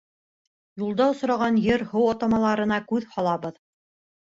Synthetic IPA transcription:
julˠd̪ɑŏsɾɑʁɑnjɘɾhowɑt̪ɑmɑlˠɑɾɤ̆nɑkʉðhɑlˠɑβɤð

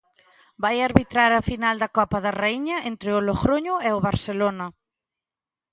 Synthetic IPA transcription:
bajaɾβit̪ɾaɾɐfinald̪ɐkɔpɐðɐreiɲɐent̪ɾɪʊloɣɾoɲʊeʊβaɾselonɐ

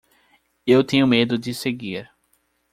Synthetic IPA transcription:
ewt̪ẽɲʊmed̪ʊd͡ʒɪseɡiɾ

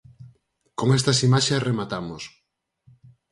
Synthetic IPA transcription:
koŋest̪ɐsimaʃesremat̪amos

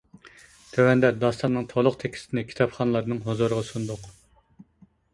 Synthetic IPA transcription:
t̪ʰøwɛnd̪ɛd̪ɑst̪ɑnnɨŋt̪ʰolˠʊqt̪ʰɛkʲʰi̥st̪ʰɪnɪkʲʰi̥t̪ʰɑpχɑnɨlˠɑɾnɨŋɦozuɾəʁɑsund̪ʊq

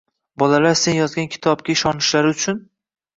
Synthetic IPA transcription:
bɒlalaɾse̞njɒzɡʲankʲʰɪ̥t̪ʰɒb̚kʲaɪʃɒnɪʃlaɾɪʊt͡ʃʰʊn

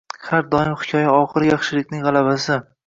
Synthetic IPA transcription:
haɾd̪ɒɪmχɪ̥kʲʰɒjaɒʁɨɾjɑχʃɪlɪkʲnɪŋʁɑlˠabasɪ

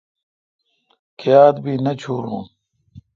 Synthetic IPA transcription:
kʰejaːd̪biːnɐt͡ɕʰuːɾṵ̃ː

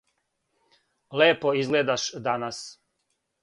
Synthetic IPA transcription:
leːpoizɡleːd̪aʃd̪anas

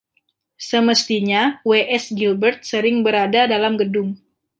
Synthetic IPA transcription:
səməst̪iɲaweʔɛsɡilbərt̪̚səɾɪŋbəɾadadalamɡədʊŋ

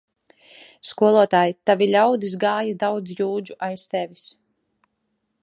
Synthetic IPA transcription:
skuɔlˠuɔt̪aːjit̪avʲilʲawd̪izɡaːjad̪awd̪zjuːd͡ʒuʔajst̪ɛvʲis

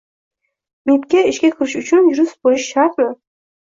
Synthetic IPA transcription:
met̪̚kʲaɪʃkʲakʰʲɪɾɪʃʊt͡ʃʰʊnjʊɾʊsbojɪʃːaɾq̪nɪ

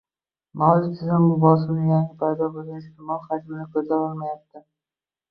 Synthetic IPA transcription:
mawd͡ʒɪt̪ʰɪzɪmːʊbɒs̬ɪmnɪjaŋɡʲɪpʰajd̪ɒbolˠɡʲanɪst̪ɪmɒlˠhad͡ʒmɪnɪkʲʰɵzaɒlˠmajap̚t̪ɪ

